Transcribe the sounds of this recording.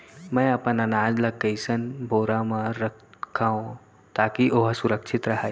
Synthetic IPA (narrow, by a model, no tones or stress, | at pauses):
mə̃jɐpənanaːd͡ʒlɐkːəjsənbʱoːɾamãɾəkʰːaːõ | t̪aːkiʔoɦsuɾəkʃʰɪt̪ɾɐɦa